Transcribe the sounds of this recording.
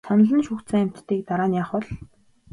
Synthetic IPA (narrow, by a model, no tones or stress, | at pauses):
sanɮə̆nʃuxt̪t͡săŋæm̥ʲt̪ːiːk̚t̪aɾaːnjaːχʊɮ